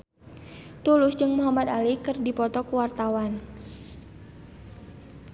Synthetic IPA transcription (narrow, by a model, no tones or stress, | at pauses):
t̪ulʊsd͡ʒɨŋmuɦamad̪alikɨrdipɔt̪ɔkuwart̪awan